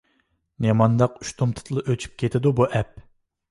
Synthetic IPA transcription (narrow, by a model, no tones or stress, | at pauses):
nemɑnd̪ɑqy̥ʃt̪ʰomt̪ʰɨ̥t̪ʰlˠɨʔøt͡ʃʰy̥p̚kʲʰet̪ʰɪd̪ubuʔɛp̚